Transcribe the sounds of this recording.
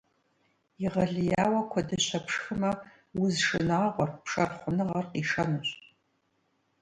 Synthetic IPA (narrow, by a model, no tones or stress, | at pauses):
iʁɐɮɨjaːwɐkʷʰɔdɨɕʷʰɐpʂxɨmɐ | wʊzʂɨnaːʁʷɔrpʰʂɐrχʷʊnɨʁɐrqiʂɐnɨɕ